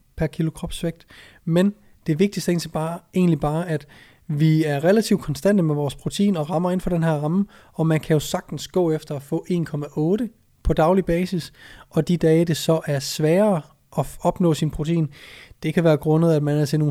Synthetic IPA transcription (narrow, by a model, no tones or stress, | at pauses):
pʰæɐkʰilo̝kʰʁɒ̽b̥sʋeɡ̥̚d̥ | men | d̥e̝ʋe̝ɡ̥̚d̥isd̥e̝̰ːnsb̥ɑːe̝̰ːnlib̥ɑ̈ːʔæd̥ | ʋiæɐʁɛlæt͡sʰiʊd̥kʰɒ̽nsd̥æn̰d̥əmeʋɒːspʰʁo̝t͡sʰeḭːnɒ̽ʁɑ̈mɐe̝nfɒ̽ɾ̥enɦæɐʁɑ̈mə | ɒ̽mænkʰæjo̝sɑ̈ɡ̥̚d̥n̩sɡ̥ɔ̰ːefd̥ɐɒfɔ̰̽ːʔe̝ːnkʰɒ̽mæʔɔ̽ːɾ̥ə | pʰɒ̽d̥ɑ̈ʊlib̥ɛːsisɒ̽d̥id̥ɛːɪd̥e̝sɒ̽ʔæɐsʋɛːɐ | ʔɒ̽ɒ̽b̥nɔ̰̽ːsinpʰʁo̝t͡sʰeḭːnd̥e̝kʰæʋæːɐɡ̥ʁɔ̽nəð̩ˠæd̥mænæɐt͡sʰe̝noː